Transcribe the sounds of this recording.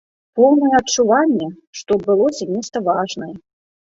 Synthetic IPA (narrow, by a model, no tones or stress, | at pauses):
pɔwnɐjɛɐt͡ʂːuvanʲːɛ | ʂt̪ɔbɨlˠɔzʲamʲɛst̪ɐvaʐnɐjɛ